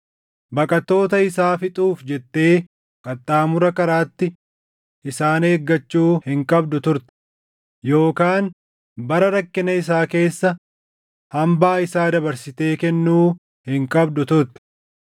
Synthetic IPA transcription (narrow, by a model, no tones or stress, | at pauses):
bɐkʼɐt̪ːo̞ːt̪ɐɪsaːfɪt̪ʼuːfd͡ʒɛt̪ːe̞ː | kʼɐt̪ʼːaːmʊɾɐkɐɾaːt̪ːɪ | ʔɪsaːneːɡːɐt͡ʃːuːhɪŋkʼɐbd̪ʊt̪ʊɾt̪ɛ̥ | jo̞ːkaːn | bɐɾɐɾɐkːɪnɐɪs̬aːke̞ːsːɐ | hɐmbaːɪsaːd̪ɐbɐɾsɪt̪e̞ːkɛnːuː | hɪŋkʼɐbd̪ʊt̪ʊɾt̪ɛ̥